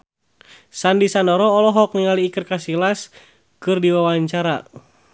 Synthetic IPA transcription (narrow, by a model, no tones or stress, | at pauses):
sandisanɔɾɔːlɔɦɔk̚niŋaliːkɨrkasilas | kɨrdiwawaɲt͡ʃaɾa̰